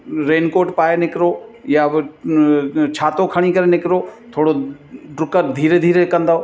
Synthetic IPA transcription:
ɾeːnkoːɾʈpaːenɪkɾoːjab | t͡ɕʰaːt̪okʰɐɽ̃ikɐɾenɪkɾoːt̪ʰoːɽoɖɾʊkəɾd̪ʱiːɾed̪ʱiːɾekɐ̃nd̪aɦoː

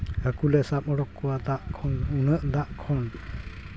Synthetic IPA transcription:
həkulɛsap̚ɔɽɔkːɔad̪aʔkʰɔnunəʔd̪aʔkʰɔn

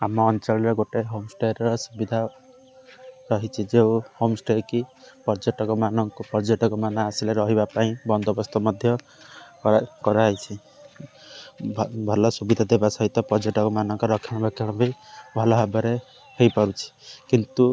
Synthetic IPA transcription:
amɔːnt͡ʃɔɾɔɡoʈeɦomsʈeɾɾɔsubid̪ʱa | ɾɔɦit͡ʃʰid͡ʒewhomsʈeɾkipɔɾd͡ʒeʈɔkɔmanɔŋkupɔɾd͡ʒeʈɔkɔmanaasileɾɔɦibapaĩbɔnd̪ʱɔbɔst̪ʰɔmɔd̪ʱjɔ | kɔɾajt͡ʃʰi | bbʱɔlɔsubid̪ʱad̪ebasɔɦit̪ɔpɔɾd͡ʒeʈɔkɔmanɔŋkɔɾɔkʰiɽ̃ɔbakʰiɽ̃ɔbʱibʱɔlɔɦabɔɾe | hejpaɾut͡ʃʰi̥kint̪u

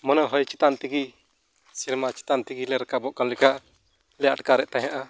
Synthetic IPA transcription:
mɔnaɦɔjt͡ʃit̪ant̪iɡi | siɾmat͡ʃi̥t̪ant̪iɡilɛɾɛkabɔʔkanlɛkaʔ | lɛa̰ʈkaɾɛʔt̪aɦaʔa

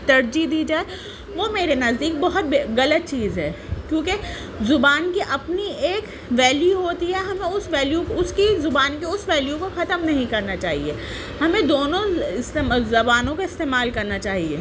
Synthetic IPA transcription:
t̪ɐɾd͡ʒid̪iːd͡ʒaːe | ʋomeːɾenɐzd̪iːk̚bɐɦʊt̪̚beɣɐlət̪̚t͡ʃiːzɦɛː | kjõːke | zʊbaːnkiʔɐpnieːk | ʋɛːljuɦoːt̪iɦɛɦɐmẽʊsʋɛːljuʊskizʊbaːnkeʊsʋɛːljukoxɐt̪əmnɐɦĩkɐɾnat͡ʃaːɦieː | hɐmẽd̪oːnõɪst̪eːzɐbaːnõkaɪst̪eːmaːlkɐɾnat͡ʃaːɦiḛː

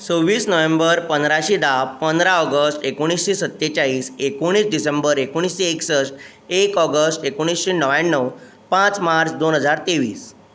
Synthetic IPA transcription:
t͡soʋːiːsnəʋembəɾpənd̪ɾaɕiːd̪appənd̪ɾaɔɡəsʈekoɽ̃isɕesət̪ːet͡ɕaɦiːsekoɽ̃iːsɖisembəɾekoɽ̃iːsɕeːksə | ekɔɡəsʈekoɽ̃isɕenəʋanːəw | pãt͡smaɾt͡sd̪onɦəd͡zaɾt̪eʋḭːs

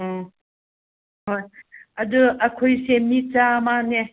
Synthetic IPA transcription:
ɦojɐd̪uɐkʰojsemit͡samane

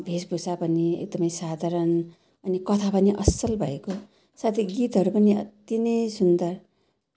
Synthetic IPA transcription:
bʱesbʱusapʌniḛk̚d̪ʌmʌjsad̪ʱaɾʌn | ʌnikʌt̪ʰapʌniʔʌsʌlbʱʌeko | sat̪ʰiɡit̪ɦʌɾupʌniʌ̰t̪inʌjsund̪ʌr

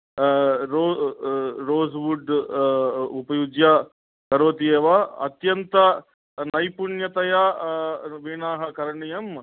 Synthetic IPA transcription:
ɾoː | ɾoːsʋuɖ | upɐjud͡ʒjɐ | kɐɾoːt̪ijeːʋɐɐ̰t̪jɐnt̪ɐ | nɐjpuɳjɐt̪ɐjɐ | ʋiɳaːɦɐkɐɾɐɳijɐm

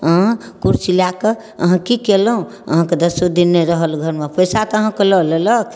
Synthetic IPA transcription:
əɦãkuɾsilake | ə̰ɦãkikeləɦũ | ə̰ɦãked̪əsod̪inːeɾəɦəlɡʱəɾmepʰəjsat̪əɦãkeləleləkʰ

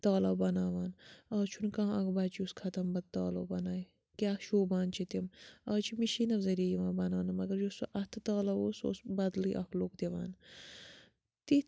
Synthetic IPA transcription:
t̪aːlɐbɐnaːʋaːnɐːt͡ʃʰunkãːɐkbaːt͡ʃuskʰɐt̪ɐmbɐd̪̚t̪aːlɐːbɐnaːji | kʲaːʃoːbaːnt͡ʃʰit̪imɐːt͡ʃʰimiʃinɐfzɐɾiɐjiʋãːbɐnaːnɐmɐɡɐɾjusuʔɐt̪ʰt̪aːlɐoːso̰ːsbɐd̪lḭʔɐkʰloːkd̪eʋa̰ːn | t̪i

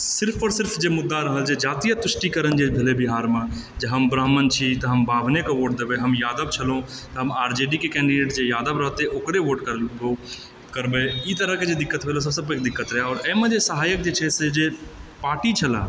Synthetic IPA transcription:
sɪɾpʰɔːɾsɪɾpʰd͡ʒemʊd̪ːaɾəɦəld͡ʒed͡ʒaːt̪ijət̪ʊʃʈikəɾənd͡ʒebʱelebiɦaːɾmẽ | d͡ʒeɦəmbɾəɦmənt͡ʃʰit̪ɔɦəmbaːbʱnekoʋoːʈ̚d̪ebeɦəmjaːd̪əbt͡ʃʰəlõt̪ɔɦəmaːɾd͡ʒeɖikekɛ̃ːɳɖiɖeːʈd͡ʒejaːd̪əbɾəɦət̪eʔokɾeʋoːʈkəɾo | kəɾbeit̪əɾəked͡ʒed̪ɪkːət̪ɦolos̬əsəbkek̚d̪ɪkːət̪ɾɛɦeɔːɾɛːmẽd͡ʒesəɦaːjək̚d͡ʒet͡ʃʰɛsed͡ʒepaːʈit͡ʃʰəla̰

